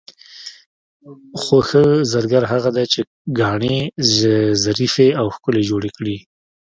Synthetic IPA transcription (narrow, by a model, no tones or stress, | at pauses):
xoxəzaɾɡaɾɦaɣad̪at͡ʃe | ɡɑɳe | zaɾifeawxkʊled͡ʒoɽekɽi